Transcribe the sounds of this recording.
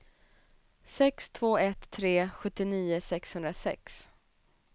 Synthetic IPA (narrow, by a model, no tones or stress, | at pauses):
sɛkst̪ʰv̥oːɛt̪ʰːɾeːɧɵt̪ːɪniːʊsɛkshɵnd̪ɾasɛ̰ks